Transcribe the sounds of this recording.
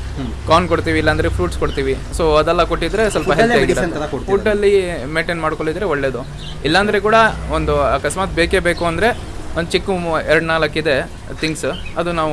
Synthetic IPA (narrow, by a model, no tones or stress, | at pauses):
kaːnkoɽt̪iːʋiːlːɐːnd̪ɾepʰɾuːʈskoɽt̪iːʋisoːɐd̪ɛlːɐkoʈːid̪ɾe̞sɐlpɐɦeɡnɐɾɐot̪fuɖːɐlːimeʈenmaːɽkoɭid̪ɾeoɭːe̞ːd̪u | ilːɐːnd̪ɐɾek̬uːɽɐond̪uɐkɐsmaːt̪̚beːkebeːkuɐnd̪ɐɾe̞ | ond̪ut͡ʃikːuɛɾɽnaːlɐkːid̪e̞ | t̪iŋɡsɐd̪unaːʋu